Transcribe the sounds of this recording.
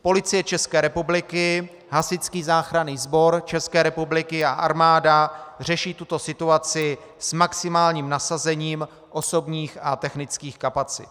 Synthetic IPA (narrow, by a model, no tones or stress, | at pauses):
po̞lɪt͡sɪjɛt͡ʃɛskɛːɾɛpublɪkɪ | ɦasɪt͡skiːzaːxɾaniːzbo̞ɾt͡ʃɛskɛːɾɛpublɪkɪaʔaɾmaːdar̝ɛʃiːt̪ut̪o̞sɪt̪uat͡sɪ | smaksɪmaːlɲiːmnasazɛɲiːm | ʔo̞so̞bɲiːxat̪ɛxnɪt͡skiːxkapat͡sɪ̰t̪